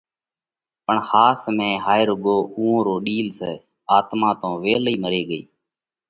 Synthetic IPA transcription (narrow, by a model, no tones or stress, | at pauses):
pəɳhaːsmẽːɦaːɪɾʊɠoːũːõːɾoːɗiːlseː | aːt̪mãːt̪õːʋeːliːməɾeːɠəḭː